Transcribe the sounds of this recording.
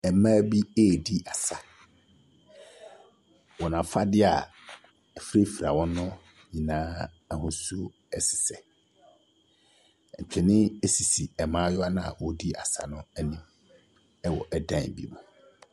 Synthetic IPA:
ɛ˨mãː˦bi˦eː˦˨di˦ʔa˨sa˨ | wɔ˨nã˨˦fa˦dɪ˦a̰˨ | ɛ˨fi˦ɾe˦fi˨ɾa˨wɔ̃˦nʊ̃˦ | ɲĩ˨nãː˦ | ɛ˨hʊ̃˦su˦o˦ | ɛ˦sɪ̥˨sɛ˨ | ɲ̩˨t͡ɕᶣɛ˨nɪ̃˦e˦si˨si˨ɛ˨mãː˦jɔ˦a˦nã˦˨a̰˨wɔ˦di˦a˨sa̰˨nʊ̃˦æ˦nĩ˦m | ɛ˦wɔ̰˨ʔɛ˨dã˦˨bḭ˦mʊ̰̃˨

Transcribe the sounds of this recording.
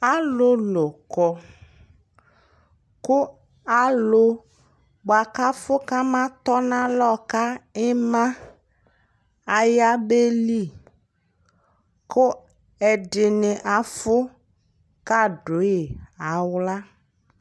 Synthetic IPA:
a˦lʊ˦lʊ˨kɔ˨ | kʊ˦ | a˦lʊ˦ | ba˨ka˦fʊ˦ka˦mã˦t̪ɔ˦nã˦lɔ˦ka˦ɪ˦mã˦ | a˨ja˦be˦li˦˨ | kʊ˦ | ɛ˨dɪ˨nɪ˨ʔa˨fʊ˦ | ka˦ɖʊ˨˦jɪ˨a˨˦wla˦

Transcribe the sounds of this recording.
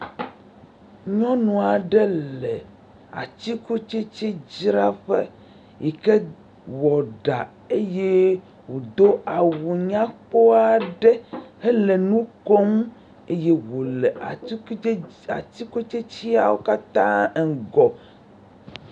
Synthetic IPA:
ɲɔ̃˦nũ˨a˨ɖɛ˦llɛ˨ | a̰˨t̪i˦ko˦t͡ʃe˦t͡ɕe˦d͡ʑɾa˦ɸe˦ | je˨ke˦ | wɔ˨ɖa̰˨ | e˦je˦ | wo˨d̪o˦a˨wu˨ɲã˦k͡po˦a˨ɖɛ˦he˦le˨nũ˦ko˦ŋũ˦ | e˦je˦wo˨lɛ˨˦a˨t̪i˦ko˦t͡ʃe˦t͡ɕi˦a˨wo˦ka˦t̪ã˦˨ɡɔ˨

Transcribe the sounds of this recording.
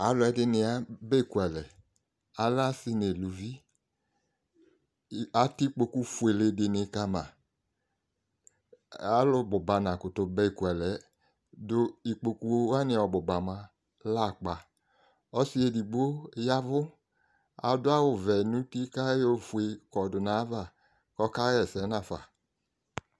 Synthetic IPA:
a˨˦lʊ˨˦ɛ˨dɪ˦nɪ˧a˦be˦i˦˨ku˨ɛ˨lɛ˨ | a˨la˦si˦ne˨lu˨vi˦˨ | a˨ti˦k͡po˧ku˦fu˨e˨le˧dɪ˧nɪ˧˦ka˧mã˨ | a˨˦lʊ˧bʊ˨ba˨nã˨kʊ˨tʊ˧bɛ˦i˨ku˨ɛ˨lɛ˨˦ | dʊ˧i˨k͡po˧ku˧˦wa˦nɪ̃˧ɔ˨bʊ˨ba˨ma˧ | la˦˨k͡pa˨ | ɔ˦si˦e˧di˨ɡ͡bo˦ja˦vʊ˦ | a̰˨dʊ˦a˦wʊ˨vɛ˨nũ˦ti˦ka˦jo˦˨fu˨e˧kɔ˨dʊ˨nã˨˦va˦˨ | kɔ˦ka˦ɛ˨sɛ˨˦nã˨fa˨

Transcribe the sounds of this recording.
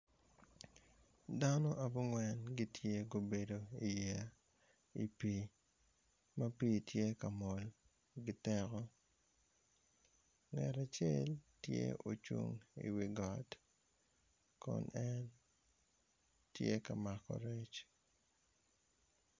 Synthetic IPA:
da˦no˦ʔa˨bu˦ŋwɛ˦nɡi˦tʰje˦ɡo˨be˨do˨i˨ja˨ | ḭ˨pi˨ | ma˦pi˦tje˦ka˨mɔ˨l | ɡɪ˦tɛ˦kɔ˦ | ŋɛ˨ɾa˨t͡ʃe˦ltjḛ˦o̰˨t͡ʃṵ˨ŋḭ˨wi˨ɡɔ˨t | kɔ̰˨nɛ˦n | tjḛ˦ka˨ma˨kɔ̰˨ɾe˦t͡ʃ

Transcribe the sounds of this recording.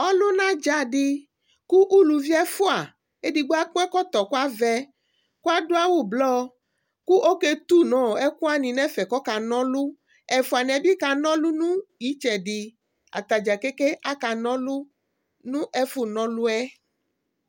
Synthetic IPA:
ɔ˦lo˦nã˦d͡ʒa˨ɖi˦ | ku˦ʔu˦lu˨vi˦ɛ˦fu˦a˨ | e˦ɖi˨ɡ͡bo˦a˦k͡pɛ˦kɔ˦t̪ɔ˨ku˦a˦vɛ˦ | ku˦a˦do˦a˦wu˦blɔ˦ | ku˦ʔo˦ke˦t̪u˦nɔ̃˨ɛ˦ku˦a˦nĩ˨nɛ̃˦fɛ˨kɔ˦ka˨nɔ̃˦lu˦ | ɛ˨fu˦a˨nɛ̃˨bi˦ka˨nɔ̃˦lu˦nũ˦i˦t͡ʃɛ˨ɖi˨ | a̰˨t̪a˨d͡ʒa˨ke˦ke˦ʔa˦ka˨nɔ̃˦lu˦ | nũ˦ʔɛ˦fu˦nɔ̃˨˦lu˦ɛ˦

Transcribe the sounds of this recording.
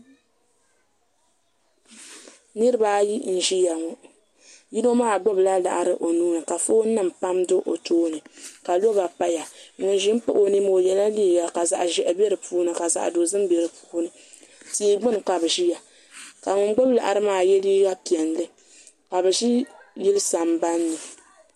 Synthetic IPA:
nɨ˦ɾɨ˦ba˦ji˦n̩˨ʒi˦ja˨ŋo˦ | ji˦no˦maː˦˨ɡ͡bo˦bla˦la̰˨ʔa˨ɾɨ˦ʔo˨nuː˦nɨ˨ka˨fo˦nɨ˦m˨pa˦mdʊ˦ʔo˨toː˦nɨ˨ka˨lo˦ba˨pa˦ja˨˦ŋʊ˨n˦ʒi˦m̩˦pʊ˦ʔo˦ni˦mo˨jɛ˨la˦liː˦˨ɡa˨ka˨za˨ʔʒɛ˨ʔɨ˨bɛ˦ɾɨ˨puː˦nɨ˨ka˨za̰˨ʔdo˨zɨ˦mbɛ˨ɾɨ˨pu̥˦nɨ˨ | ti˦ɡ͡bɨ˦n˨ka˨bɨ˨ʒi˦ja˨ | ka˨ŋʊ˨ŋ˦ɡ͡bo˦bla̰˨ʔa˨ɾɨ˦maː˦˨jɛ˦liː˦ɡa˦pi˨ɛ˨n˨lɨ˦ | ka˨bɛ˨ʒi˦ji˦lɨ˦sa˨mba˦nːɨ˨

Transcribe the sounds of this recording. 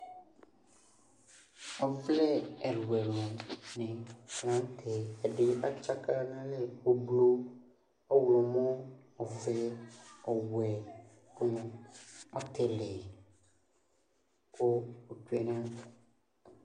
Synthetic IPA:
ɔ˨vlɛ˦ɛ˨ɾwɛ˨lɔ̃˨nɪ̃˨nã˨˦n˦tʰɛ˨ɛ˨dɪ˦a˦t͡ʃa˦ka˦nã˦lɛ˦o˨blo˦ | ɔ˦wlɔ˨mɔ̃˦ | ɔ˨vɛ˦ɔ˨wɛ˨ | kʊ˦mɔ̃˦ɔ˨t̪ʰɛ˨lɪ˨ | ko˦o˨tu˦e˦nã˦

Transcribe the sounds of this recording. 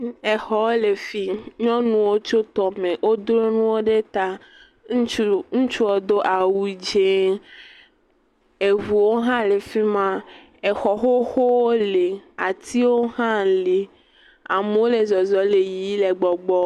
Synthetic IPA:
e˨xɔ˨wle˨fi˦ɲɔ̃˦nũ˦wo˦t͡ʃo˦t̪ɔ˨me˨wʔo˦d̪ɾo˦nũ˦wo˦ɖe˦t̪a˦ | u˦ŋũ˦t͡ʃu˦ɔ˨d̪o˦ʔa˨wu˦d͡ʒe˦ | e˨vu˨wo˦ɦã˦le˨fi˦mã˦ | e˨xɔ˨xo˦xo˦wo˦le˨a˨t̪i˦wo˦ɦã˦le˨ | a˨me˨˦wo˦le˨zɔ˨zɔ˨˦le˨ji˨˦le˨ɡ͡bɔ˨ɡ͡bɔ˦

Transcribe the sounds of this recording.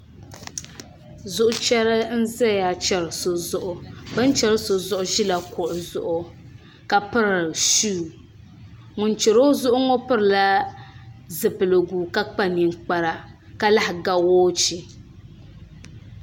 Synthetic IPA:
zʊ˨ʔʊ˦t͡ʃɛ˦ɾɨ˦n̩˦zɛ˦ja˨t͡ʃɛ˦˨ɾɨ˨so˨zʊ˨ʔʊ˦bɨ˦n˦t͡ʃɛ˦ɾɨ˦so˨zʊ˦˨ʔʊ˦ʒi˦la˨kʊ˨ʔʊ˨zʊ̰˨ʔʊ˦ | ka˦pɨ˦ɾɨ˨ʃuː˦˨ | ŋʊ˨nt͡ʃɛ˨ɾo˦zʊ˦ʔʊ˦ŋɔ˦pɨ˦ɾɨ˨la˦ | zɨ˨pɨ˨lɨ˨ɡuː˨ka˦k͡pa˦˨ni˨ŋ˦k͡pa˦ɾa˦ | ka˦la˦hɪ˨ɡa˦woː˦t͡ʃi˨

